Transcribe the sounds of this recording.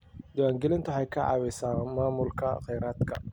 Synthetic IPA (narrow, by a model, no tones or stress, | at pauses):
d̪ɪwaːŋɡɛlɪnt̪ʰʊħɑjkʰɐʕɑ̰ːwɪsaːnmaːmʊlkʰɐ̰qɛjɾaːd̪kʰɐ̰